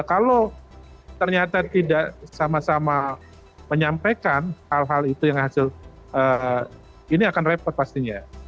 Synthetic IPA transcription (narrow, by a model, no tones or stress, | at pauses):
kalo | t̪ərɲat̪at̪idaʔsamasama | məɲampekanhalɦalit̪ujaŋhasɪl | ʔəː | iniakanrepɔt̪̚past̪iɲa